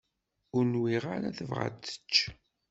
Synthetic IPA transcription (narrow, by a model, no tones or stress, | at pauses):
ʊɾnwiʁaɾaθəvʁa̰t͡sːə̥t͡ʃː